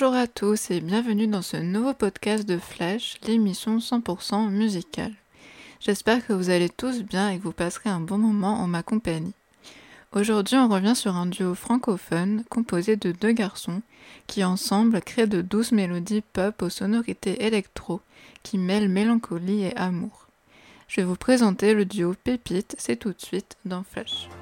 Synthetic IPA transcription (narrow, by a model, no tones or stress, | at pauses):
ʒuʁat̪ʰusebjɛ̃vənyd̪ɑ̃sənuvopɔd̪kʲast̪̚d̪əflɛʃlemisjɔ̃sɑ̃puʁsɑ̃myzikʲa̰l | ʒ̥ɛspɛʁkəvuzalet̪usbjɛ̃ekəvupasχeɛ̃bɔ̃mɔmɑ̃ʔɑ̰̃makɔ̃paɲi | oʒuʁd̪ɥiɔ̃ʁəvjɛ̃syʁɛ̃d̪yofχɑ̃kɔfɔnkɔ̃pozed̪əd̪øɡaʁsɔ̃ | kʲʰiɑ̃sɑ̃blkχed̪əd̪usmelɔd̪ipɔposɔnɔʁit̪eʔelɛkt̪χo | kʲʰimɛlmelɑ̃kʰɔlieʔamuːʁ | ʒ̥əvɛvupχezɑ̃t̪eləd̪yopepit̪sɛt̪ut̪sɥit̪d̪ɑ̃flɛʃ